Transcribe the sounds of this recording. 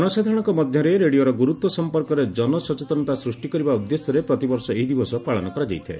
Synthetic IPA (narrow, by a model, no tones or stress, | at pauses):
ɔnɔsad̪ʱɾɔɽ̃ɔ̃kɔmɔd̪ʱjɔɾeɾeɽioɾɔɡuɾut̪wɔsɔmpɔɾkɔɾed͡ʒɔnɔsɔt͡ʃet̪ɔnɔt̪asɾusʈikɔɾibaud̪ːesjɔɾepɾɔt̪ibɔɾsɔeɦid̪ibɔsɔpaɭɔnɔkɔɾad͡ʒa̰jt̪ʰa̰